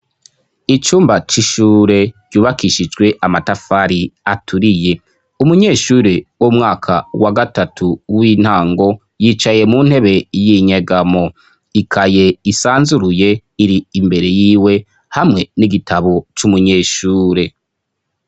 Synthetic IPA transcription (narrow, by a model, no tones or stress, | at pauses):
it͡ʃuːmbat͡ʃiʃuːɾe̞ɟ̥juːβakiʃid͡ʒɡwe̞ʔamatafaɾiatʰuɾije̞ | umuɲe̞ːʃuːɾewomŋaːkʰawaɡatatʰuwiːn̥haːŋɡo̞ | jiːt͡ʃaje̞mun̥he̞βe̞jiɲaɡamo̞ | ikʰaje̞isaːnzuɾuje̞iɾiːmbe̞ɾe̞jiːwe̞ | hamŋe̞niɡitʰaβo̞t͡ʃumuɲeːʃuːɾe̞